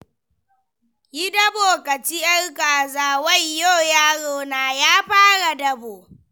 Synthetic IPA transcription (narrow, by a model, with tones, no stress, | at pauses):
ji˦dɐ˦boː˨kɐ˨t͡ʃi˦jʔɐ˦rkaː˨zaː˦wɐ˦jjo˦˨jaː˦ɽoː˨naː˨jaː˦ɸaː˦ɽa˨dɐ˦boː˨